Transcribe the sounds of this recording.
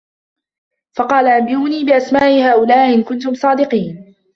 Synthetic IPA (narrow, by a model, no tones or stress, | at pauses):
fɑqɑːlaʔambɪjuːniːbɪʔasmaːʔɪhaːʔʊlaːʔɪʔɪnkʊnt̪ʊmsˤɑːd̪ɪqiːn